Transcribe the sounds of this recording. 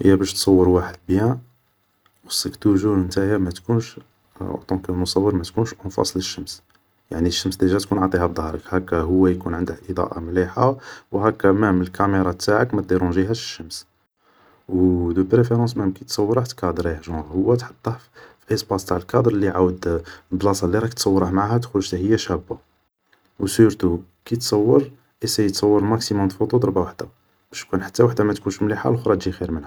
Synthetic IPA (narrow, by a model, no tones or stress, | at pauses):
həjːæbæʃt̪sˤɑwːəɾwaħəd̪̚bjæ̃ | wəsəkt̪uʒumənt̪ahjæmæt̪kunʃ | t̪ˤɑ̃kmʊsˤɑwːəɾmæt̪kunʃʔɑnfɑ̰sˤləʃːəms | jaʕniʃːəmsd̪iʒæt̪kunʕat̪ˤihæbd̪ˤɑhɾˤəkhækːæɦʊwːæjkunʕənd̪əkʔəd̪ˤɑ̰ʔa̰mliħawhækːæmæməlkæmeɾˤɑt̪ːaʕəkmæt̪̚d̪iɾũnʒiɦæʃə̥ʃːəms | wd̪əpɾefeɾɑ̃smæmkit̪sˤɑwːəɾˤaħt̪kɑd̪ɾihʒɑ̃hʊwːæt̪ħɑ̥t̪ˤːɑfʔəsbɑst̪aʕəlkɑd̪ɾˤliʕawəd̪blɑsˤɑlːiɾˤɑkt̪sˤɑwːɾˤəhmʕahæt̪xuʃt̪æhəjːæʃæbːa | wsyɾt̪u | kit̪sˤɑwːəɾˤ | ʔisæjət̪sˤɑwːəɾmæksimʊmt̪fud̪ˤud̪ˤɑɾbawaħd̪̥a | b̥æʃj̪kunħḁt̪ːæwaħd̪æmæt̪kunʃmliħa̰lxɾˤɑt̪ʒixiɾmənhæ